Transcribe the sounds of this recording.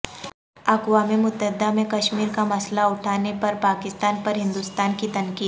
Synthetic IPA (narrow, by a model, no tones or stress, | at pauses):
ɐkwaːmimʊt̪ːəɦɪd̪amẽkɐʃmiːɾkamɐslaʊʈʰaːnepɐɾpaːkɪst̪aːnpɐɾɦɪ̃nd̪ʊst̪aːnkit̪ɐnkiːd̪